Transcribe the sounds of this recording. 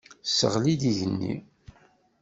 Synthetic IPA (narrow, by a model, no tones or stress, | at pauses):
sə̰ʁlid̪iʝənːḭ